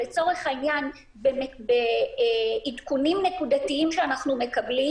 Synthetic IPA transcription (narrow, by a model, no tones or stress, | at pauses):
let͡so̞ʁe̞χainjan | bembe | itkunimne̞kudatiimʃeanaχnume̞kabli